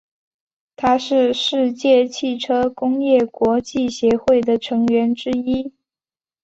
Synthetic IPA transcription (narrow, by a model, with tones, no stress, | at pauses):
t̪ʰa˥ʂɻ̩˥˧ʂɻ̩˥˧t͡ɕjɛ˥˧t͡ɕʰi˥˩ʈ͡ʂʰɤ˥kʊ˥ŋjɛ˥˩kwɔ˧˥t͡ɕi˥˩ɕjɛ˧˥xwe˥˩ɪd̪ə˩ʈ͡ʂʰɤ˧˥ŋɥɛ˧˥nʈ͡ʂɻ̩˥i˥